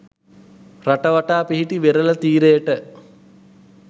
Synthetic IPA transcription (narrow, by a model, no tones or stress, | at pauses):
ɾaʈəʋaʈaːpiɦiʈiʋeɾələt̪iːɾejəʈə